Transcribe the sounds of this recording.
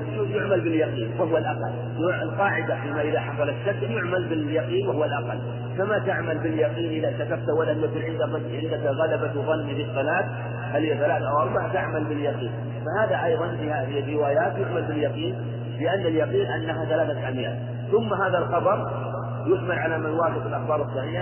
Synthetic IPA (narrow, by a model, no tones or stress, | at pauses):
ujʊʕmalbɪljɑqiːnwɪhʊwalʔaqɑ̰lː | ʊɪlqɑːʕɪd̪afiːmaʔɪðaħɑsˤɑlat̪ʃakljʊʕmalbɪjɑqiːnwɪhʊwalʔaqɑ̰l | famat̪aʕmalbɪljɑqiːnʔɪðat̪akab̚t̪awalːamjakuːnʕɪnd̪a | ʕɪnd̪akɣalabawðˤɑnːifisˤːɑlaːt̪ | halhijaθalaːt̪ʔawʔɑɾˤbahat̪aʕmalbɪljɑqḭːn | fahaːðaʔɑjðˤɑnfihaðɪrːɪwaːjaːt̪jʊʕmalbɪljɑqiːn | lɪʔanːaljɑqiːnʔanːaɦaθalaːθat̪ʕamja̰ːt̪ | θʊmːaɦaːðalxɑbɑɾˤ | jʊħmalʕalamajwɑːfɪt̪ɪlʔɑxbɑːɾˤɨsˤːɑħiːħa